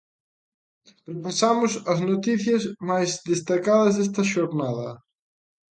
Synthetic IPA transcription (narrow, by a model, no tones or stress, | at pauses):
pɾepasamʊsɐznot̪iθjɐzmajzðest̪akaðɐzðest̪ɐʃoɾnaðɐ